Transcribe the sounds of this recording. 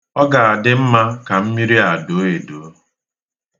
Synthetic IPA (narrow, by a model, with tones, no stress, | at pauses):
ɔ˦ɡa˨a˨dɪ˦m̩˦ma˦ka˨m̩˦mi˦ɾi˦a˨do˨˦e˨do˨˦